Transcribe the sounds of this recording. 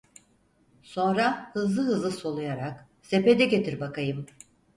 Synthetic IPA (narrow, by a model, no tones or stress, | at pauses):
so̞nɾahɯzlˠɯɦɯzlˠɯso̞lˠujaɾak | seped̪ɛɟe̞t̪ʰiɾbakajɯm